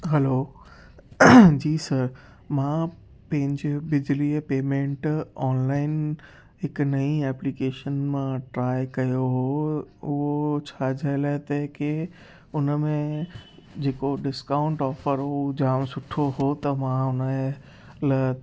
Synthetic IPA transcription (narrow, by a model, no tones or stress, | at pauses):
ɦɛloː | d͡ʑiːsɐɾ | mã | pɐ̃ɦɪ̃ɲd͡ʑebɪd͡ʑlipeːmẽːɳʈɔːnlaːɪn | ɦɪknɐĩɛːplikeːʃənmãʈɾaːɪkɐjoɦoʊɦot͡ɕʰad͡ʑʱaelaːet̪ɐke | ʊnmẽ | d͡ʑeːkoɖɪskaːʊ̃ɳʈɔːfəɾɦod͡ʑaːmsʊʈʰoɦot̪ɐmãʊnə | lɐ